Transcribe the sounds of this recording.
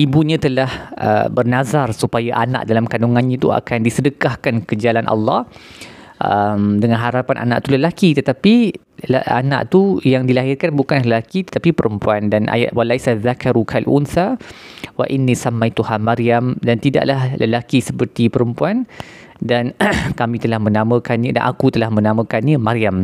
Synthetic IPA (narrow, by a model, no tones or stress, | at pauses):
ʔibuɲãt̪əlahə̰bərnazarsupajaʔana̰ʔdalamkanuŋãnɲat̪ua̰kandisədəkahkankəd͡ʒalanʔɑ̰lːɑh | ʔə̰mdəŋãnɦaɾapanʔa̰nã̰ʔt̪uləlakit̪ət̪api | lana̰ʔt̪ujaŋdilaɦɪrkanbukanlaɦləlakit̪ə̥t̪apipəɾəmpuandanʔa̰ja̰ʔ̪walajsaðakaɾukʰalʔṵnθawaʔinːisamːajt̪uhamaɾiamdant̪ida̰ʔlahləlakisəpərt̪ipəɾəmpuan | dankamĩt̪əlahmə̃nãmə̃kanɲəda̰nʔa̰kut̪əlahmənãmə̃kanɲəmaɾiam